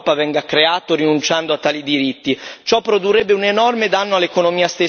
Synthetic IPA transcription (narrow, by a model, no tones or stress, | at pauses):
pavɛŋɡakːɾeaːt̪oɾinunt͡ʃand̪oat̪ːaːlid̪iɾit̪ːit͡ʃɔpːɾod̪urːɛbːeunenɔrmed̪anːoalːekonomiːast̪e